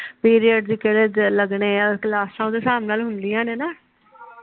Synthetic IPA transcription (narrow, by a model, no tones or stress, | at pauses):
piːɾijəɖd͡ʒiːkeled͡ʒləɡɳeːɾklaːsãːd̪eːsaːmnaːlɦʊnd̪iːãːneːnaː